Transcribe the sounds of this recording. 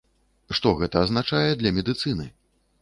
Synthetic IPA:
ʂt̪ɔɣɛt̪ɐːznat͡ʂajɛd̪lʲɐmʲɛd̪ɨt̪sɨnɨ

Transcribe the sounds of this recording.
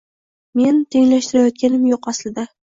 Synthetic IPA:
me̞nt̪ʰe̞ŋlaʃt̪ɪɾajɒt̪̚kʲanɪmjoqaslɪd̪a

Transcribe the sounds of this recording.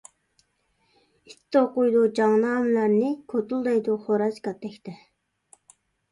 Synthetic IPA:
it̪ʰːɪoqʊjd̪ud͡ʒɑŋnɑːmɪlæɾnɪkʰot̪ulˠd̪ɑjd̪uχoɾɑzkɑt̪ʰːɛkʲt̪ʰɛ

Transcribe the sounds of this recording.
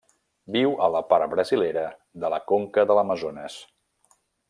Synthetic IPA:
biwələpaɾbɾəzileɾə | ðələkoŋkəðələməzonəs

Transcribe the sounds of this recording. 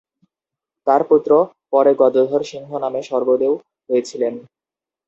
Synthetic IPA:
t̪aɾput̪ːɾo | pɔɾeɡɔd̪od̪ʱɔɾʃiŋɦonameʃɔɾbod̪ew | ɦojet͡ɕʰilen

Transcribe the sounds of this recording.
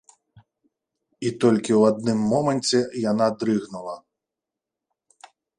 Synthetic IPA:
it̪ɔlʲkʲɪwɐd̪̚nɪmːɔmenʲt͡sʲijɐnɑd̪ɾɪɣnʊlˠɐ

